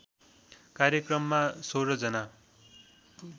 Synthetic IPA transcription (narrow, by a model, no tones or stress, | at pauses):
karjʌkrʌmːasoɾʌd͡zʌna